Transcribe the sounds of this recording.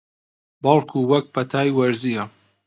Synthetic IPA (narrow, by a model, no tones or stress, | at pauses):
bɑlˠkʰuːwɐk̚pʰɐt̪ʰaːjwɐɾzijɐ